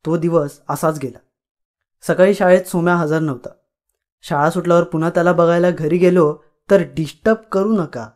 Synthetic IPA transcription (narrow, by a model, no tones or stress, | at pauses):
t̪od̪iʋəsəsat͡sɡʱela | səkaɭiːɕaɭet͡s̪somjaɦəd͡zaɾnəʋt̪a | ɕaɭasuʈljaʋəɾpun̤at̪jalabəɡʱajlaɡʱəɾiːɡelo | t̪əɾɖisʈəp̚kəɾuːnəka̰